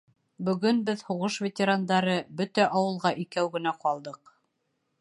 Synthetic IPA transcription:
bɵ̆ɡɵnbɘðhuʁɤʃvʲet̪ʲeɾand̪ɑɾɤbɵt̪æʔɑwɤ̆lˠʁɑʔikæwɡɘ̆næqɒlˠd̪ɤq

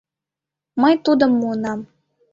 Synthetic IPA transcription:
məjt̪ud̪ɤ̆mːuənɑm

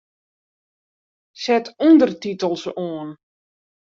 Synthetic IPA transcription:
sɛtʰundərtitəlˠsoən

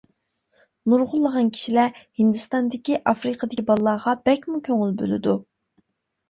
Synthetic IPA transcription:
nuɾʁʊlˠːəʁɑnkʲʰi̥ʃilæhind̪ɨst̪ɑnd̪ɪkʲiʔɑfɾɨqʰəd̪ɪibɑlˠːɑːʁɑb̥ɛkʲmukʲʰøŋɪlbø̰lɪ̰d̪u

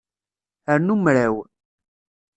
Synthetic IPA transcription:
əɾnumɾæw

